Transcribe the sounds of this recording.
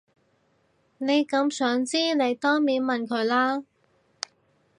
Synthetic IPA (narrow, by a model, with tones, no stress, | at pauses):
ne˨˧jkɐ˨˧˥msœː˨˥ŋt͡siː˥ne˨˧jt̪ɔː˥ŋmiː˨˥nmɐ˨nkʰɵ˨˧ɥlaː˥